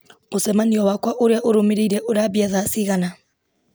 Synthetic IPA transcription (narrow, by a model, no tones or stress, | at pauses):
osɛmaniɔwakwaʔoɾeaʔoɾomeɾeiɾɛʔoɾaβjaðasiɣana